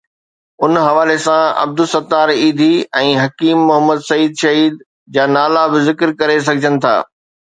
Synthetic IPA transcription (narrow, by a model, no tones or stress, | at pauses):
ʊnɦɐʋaːlesãɐ̰b̚d̪ʊsɐt̪aːɾiːd̪ʱiɛ̃ːɦɐkiːmːʊɦəməd̪sɐiːd̪ʃɐɦiːd̪ | d͡ʑaːnaːlabɪzɪkɪɾkɐɾes̬ɐɡʱɪd͡ʑənɪ̆t̪ʰa̰ː